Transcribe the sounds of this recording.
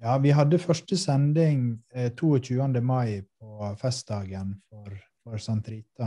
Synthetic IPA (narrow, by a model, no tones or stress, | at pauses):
jɑːʋɪɦɑd̪ːəfœʂʈəsɛnd̪ɪŋt̪ʰuːɔc͡çʉːənd̪əmɑɪpʰɔfɛst̪̚d̪ɑːɡənfɔɾ | fɔɾsɑnt̪ɾiːt̪ɑ